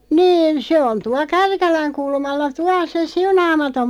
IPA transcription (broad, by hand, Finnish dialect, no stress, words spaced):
niːn se on tuɑ kærkælæŋ kulmɑlːɑ tuɑl̆ se siunɑːmɑtom